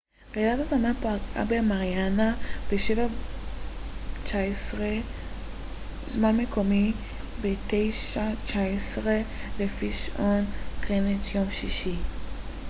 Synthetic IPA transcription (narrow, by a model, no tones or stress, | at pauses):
ʁedat̪at̪amapaɡa̰beamaʁjanab̥eʃeva | t͡ʃaesʁe | zmanmekʰomi | bet̪ejʃat͡ʃaesʁelefiʃʔonkʁenetjomʃiʃi